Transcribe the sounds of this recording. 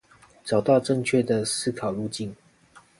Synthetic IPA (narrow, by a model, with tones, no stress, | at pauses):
ʈ͡ʂɑ˨˩ʊt̪ɑ˥˨ʊʈ͡ʂə˥˨ŋt͡ɕʰɥɛ˥˨d̪ə˨sɹ̩˥˨kʰɑ˨˩ʊlu˥˧t͡ɕi˥˨n